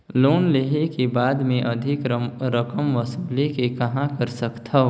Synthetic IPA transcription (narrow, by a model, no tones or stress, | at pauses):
loːnleɦekebaːd̪mẽʔɐd̪ʱɪkɾəkəmʋəsəblekekɐɦãkəɾsəkt̪ʰɐ